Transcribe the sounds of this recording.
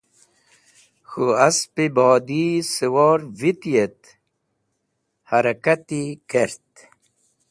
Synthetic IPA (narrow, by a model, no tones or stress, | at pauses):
xuaspibɔːd̪isiwɔːɾvit̪ijet̪ | haɾakat̪ikeɾt̪